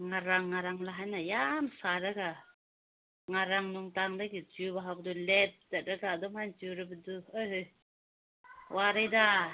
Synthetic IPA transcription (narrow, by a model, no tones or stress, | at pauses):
ŋaɾaŋːaɾaŋlaɦajnajamsaɾaɡa | ŋaɾaŋnuŋtaŋdajɡit͡ʃubaɦawbdulɛt̚dat̚ɾaɡad̪ɔmhant͡ʃuɾɯbɯduɯɦɯ | waɾajda